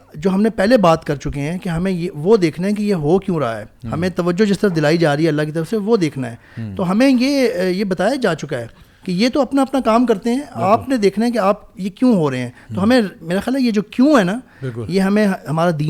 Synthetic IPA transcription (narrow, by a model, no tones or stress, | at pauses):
d͡ʒoːɦɐmnẽpɛɦlebaːt̪kɐɾt͡ʃʊkeɦɛ̃keɦɐmẽjeʋod̪eːkʰnaɦɛ̃k̬ejeɦoːkjũːɾɐɦa̰ɦɛ̰ːhɐmẽt̪ɐʋəd͡ʒːod͡ʒɪst̪əɾəfd̪ɪlaːid͡ʒaːɾiɦɛɐlːaɦkit̪ɐɾəfseʋod̪eːkʰnaɦɛːt̪oɦɐmẽjejebɐt̪aːjad͡ʒaːt͡ʃʊkaɦɛː | kejet̪oɐpnaɐpnakaːmkɐɾt̪eɦɛ̃aːpned̪eːkʰnaɦɛ̃k̬eaːpjekjũːɦoɾɐɦẽɦɛ̃ːt̪oɦɐmẽmeːɾaxaːlɦɛjed͡ʒoːkjũːɦɛːna | ɪljeɦɐmẽɦɦɐmaːɾad̪iː